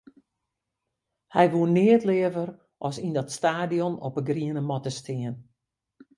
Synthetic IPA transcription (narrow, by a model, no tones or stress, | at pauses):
hɛjʋuənːɪətlɪːəvər | ʔɔsindɔtstaːdijɔnɔpəɡriənəmɔtəstʰɪːən